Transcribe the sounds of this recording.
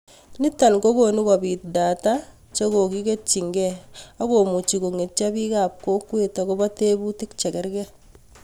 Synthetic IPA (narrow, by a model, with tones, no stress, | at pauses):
ni˦ta˨nko˦ko˨ni˦ka˨bi˨tda˨ta | t͡ʃo˦ko˨ki˦ke˦t͡ʃːi˨ŋɡɛa˦ko˨mu˨t͡ʃi˨ko˨ŋe˨t͡ʃa˦bi˦ka˨p̚ko˦kwe˨tako˦ba˦te˦bu˦ti˦kt͡ʃɛ˨kɛ˦ɾkɛ˦